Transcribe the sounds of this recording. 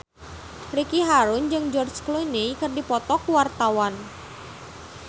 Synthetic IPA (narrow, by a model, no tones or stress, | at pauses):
rikiɦaɾʊnd͡ʒɨŋd͡ʒɔrt͡ʃklunikɨrdipɔt̪ɔkuwart̪awan